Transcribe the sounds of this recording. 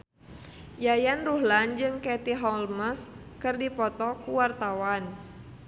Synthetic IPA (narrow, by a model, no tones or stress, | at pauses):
jajanruɦland͡ʒɨŋkɛt̪iɦɔlməs | kɨrdipɔt̪ɔkuwart̪awan